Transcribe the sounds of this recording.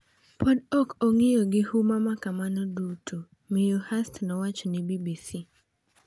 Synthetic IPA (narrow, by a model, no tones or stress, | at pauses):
pɔdɔkɔŋijɔɡɪhumamakamanɔdutʰu | mijɔhastnɔwat͡ʃɔnɪbibisi